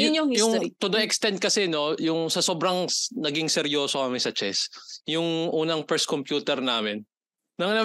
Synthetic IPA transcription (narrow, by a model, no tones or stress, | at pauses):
ʊnojʊŋt̪ʊd̪oʔɛkst̪ɛnt̪̚kɐsɛno̞jʊŋsɐsoːbɾɐŋnɐɡiŋsɛɾjo̞ːsohɐmɪsɐt͡ʃɛsjʊŋʔuːnɐŋpɛɹskompjuːt̪ɛɾnaːmɪnː | ɐŋnɐ